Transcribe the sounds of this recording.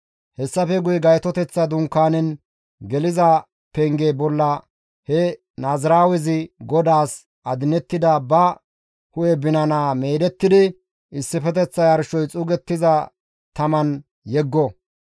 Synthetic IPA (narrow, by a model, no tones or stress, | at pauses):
hɛsːɐfɛɡʊjɡɐjt̪ɔt̪ɛt͡sːɐd̪ʊŋkːaːnɛn | ɡɛlɪzɐ | pɛŋɡeːbɔlːɐ | hɛ | naːzɾaːwɛzɪɡɔd̪aːs | ʔɐd̪ɪnɛt̪ːɪd̪ɐbɐ | hʊjɛbɪnɐnaːmeːd̪ɛt̪ːɪd̪ɪ | ɪsːɪfɛt̪ɛt͡sːɐjɐɾʃɔjt͡sʼʊɡɛt̪ːɪzɐ | t̪ɐmɐn | jɛɡːɔ